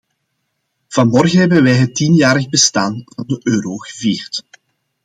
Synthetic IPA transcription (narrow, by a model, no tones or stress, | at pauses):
v̥ɑnmɔrɣənɦɛbənʋɛjɦətːinjaːɾəɣbəstaːnvɑndəʔøːɾoːɣəviːrt